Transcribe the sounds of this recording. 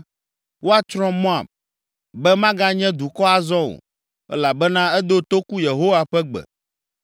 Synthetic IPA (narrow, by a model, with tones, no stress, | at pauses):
wo˦a˨t͡ʃɾɔ̃˦mɔ̃˦a̰˨b̚ | bɛ˦mã˦ɡa˦ɲɛ̃˦d̪u˨kɔ˦a˨zɔ̃˦o̰˨ | ɛ̰˦la˨bɛ˦nã˦ɛ˦d̪o˦t̪o˦ku˦je˨ɦo˦wa˨ɸɛ˦ɡ͡bɛ̰˨